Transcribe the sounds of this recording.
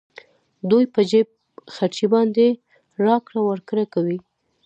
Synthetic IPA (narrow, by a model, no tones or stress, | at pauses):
d̪ujpəd͡ʒeb̚ | xaɾt͡ʃibɑnd̪e | ɾɑkɽawaɾkɾakawi